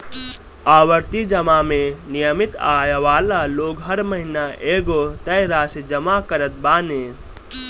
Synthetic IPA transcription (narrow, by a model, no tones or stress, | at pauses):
aːʋəɾt̪id͡ʒəmamenijəmit̪aːjʋaːlaloːɡɦəɾməɦinaʔeːɡot̪əjɾaːsed͡ʒəmakəɾət̪̚baːne